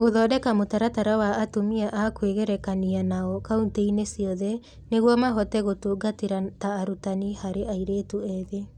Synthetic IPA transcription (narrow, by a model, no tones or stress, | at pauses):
ɣoðɔːdɛkamotaɾataɾawaʔːtomiaʔakweɣɛɾɛkanianaɔkaunteinesiɔðɛ | neɣwɔmaɦɔtɛɣotuɡateɾataːɾutanihaɾeʔaiɾeːtuɛðe